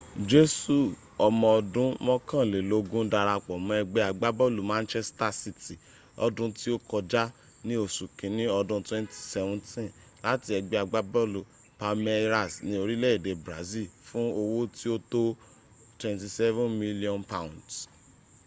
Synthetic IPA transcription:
d͡ʒe˦su˦˨ | ɔ˨mɔ̃˧ɔ˧dũ˨˦mɔ̃˦kã˦˨le˨lo˨˧ɡũ˦da˧ɾa˧k͡pɔ˨mɔ̃˨ɛ˧ɡ͡be˦a˧ɡ͡ba˦bɔ˦˨lu˨mã˦nt͡ʃɛ˦sta˧si˦ti˨ | ɔ̰˧dũ˦ti˦o˦kɔ˧d͡ʒa˦ | nĩ˦o˦˨sũ˨kĩ˨nĩ˦ɔ˧dũ˧twɛ̃˦nti̥˨sɛ˧vɔ̃˦ntĩ˦ | la˦ti˧˦ɛ˧ɡ͡be˧˦a˧˨ɡ͡ba˦bɔ˦˨lu˨ | pa˧me˦ɾa˦˨snĩ˦o˧ɾi˦lɛ˦i˦˨de˨bɾa˨˦zi˦˨fũ˦o˧wo˦ti˦o˦to˦ | twɛ̃˨nti˧sɛ˦vũ˦nmi˦li˦ɔ̃˦npã˦ũ˨nds

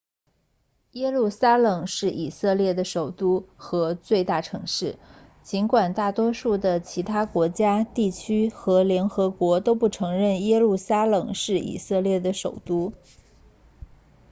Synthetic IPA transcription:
jɛ˥lu˥˩sa˥lɤ˨˩ŋʂɻ̩˥˩ʔi˨˩sɤ˥˧ljɛ˥˩d̪ə˩ʂo˨˩ʊt̪u˥xɤ˧˥t͡swe˥˧ɪt̪a˥˩ʈ͡ʂʰɤ˧˥ŋʂɻ̩˥˩ | t͡ɕi˧˥nkwa˨˩nt̪a˥˩t̪wɔ˥ʂu˥˩d̪ə˩t͡ɕʰi˧˥t̪ʰa˥kwɔ˧˥t͡ɕja˥t̪i˥˩t͡ɕʰy˥xɤ˧˥ljɛ˧˥nxɤ˧˥kwɔ˧˥t̪o˥ʊpu˥˩ʈ͡ʂʰɤ˧˥ŋɻə˥˩njɛ˥lu˥˩sa˥lɤ˨˩ŋʂɻ̩˥˩ḭ˨˩sɤ˥˧ljɛ˥˩d̪ə˩ʂo˨˩ʊt̪u˥

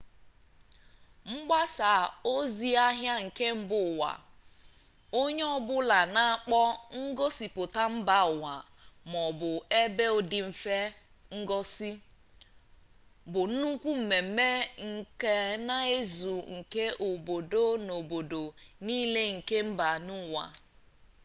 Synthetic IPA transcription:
ŋ͡m̩˦ɡ͡ba˦sa˨o˦zi˦a˦ɦja˦ŋ̩˨ke˦m̩˦bʊ˦˨wa̰˨ | o˦ɲe˦ɔ˦bʊ˦la˨na˦˨k͡pɔ˦ŋ̩˦ɡɔ˦si˨pʊ˨ta˦m̩˦ba˨ʊ˨wa˨ | mɔ˨bʊ˨e˦be˦ʊ˨dɪ˨m̩˨fe˦ | ŋ̩˦ɡɔ˦si˦ | bʊ˨n̩˦nu˦kʷu˦m̩˨me˨m˨˦me˦ŋ̩˨ke˦na˦e˦zu˨ŋ̩˨ke˦ʔo˨bo˨do˦no˨bo˨do˨niː˦le˦ŋ̩˨ke˦m̩˦ba˨nʊ˦˨wa̰˨

